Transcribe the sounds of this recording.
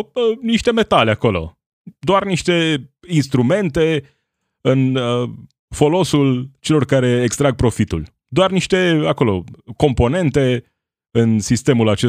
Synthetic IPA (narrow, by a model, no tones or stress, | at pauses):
əniʃt̪e̞me̞t̪aleako̞lo̞̰ | d̪oarniʃt̪e̞inst̪ɾume̞nt̪e̞ | ɨnə | fo̞lo̞sult͡ʃe̞lo̞rkaɾe̞ːkst̪ɾaɡ̚pɾo̞fit̪ṵl | d̪oarniʃt̪e̞ako̞lo̞̰ko̞mpo̞ne̞nt̪e̞ | ɨnsist̪e̞mulat͡ʃe